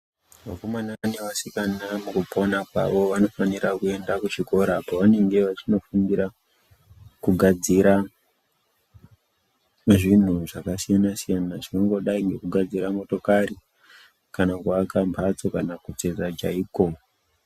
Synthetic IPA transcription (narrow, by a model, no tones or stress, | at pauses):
ʋako̞manaaneʋasikanamukupʰo̞napa̰ʋo̞ʋano̞faniɾakue̞ndakut͡ʃiko̞ɾapaʋane̞ŋɡe̞ʋat͡ʃino̞fundiɾa | kuɡʱad͡ziɾa | ʐin̤uʐakasijanasijanaʐinoŋɡo̞ɗaiŋɡe̞kuɡʱad͡ziɾamo̞to̞kaɾi | kanakuakampʰat͡so̞kanakut͡se̞d͡zad͡ʒaiːko